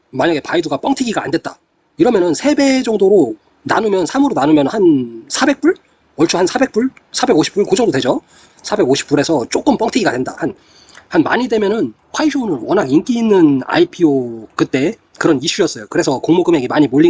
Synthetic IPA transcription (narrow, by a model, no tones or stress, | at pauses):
maɲaɡe̞paiduɡap͈ʌŋtʰiɡiɡa̰ːnde̞t̚t͈a̰ | iɾʌmjʌnɯnsʰe̞be̞d͡ʑʌŋdoɾo | na̰numjʌnsʰamɯɾonanumjʌnhansʰabe̞k̚p͈uɭ | ʌɭt͡ɕʰuhansʰabek̚p͈uɭ | sʰabe̞ɡoɕʰi̥p͈uɭkod͡ʑʌŋdodwe̞d͡ʑo | sʰabe̞ɡoɕʰi̥p̚p͈uɾe̞sʰʌt͡ɕ͈ok͈ɯmp͈ʌŋtʰiɡiɡadwe̞nda̰han | hanma̰ɲidwe̞mjʌnɯn | ɸʰaiɕʰonɯnwʌnaɡink͈iːnːɯna̰ipʰiok͈ɯt͈̚e̞ | kɯɾʌniɕʰujʌs͈ʌjokɯɾe̞sʰʌkoŋmoɡɯme̞ɡemaɲimoʎːi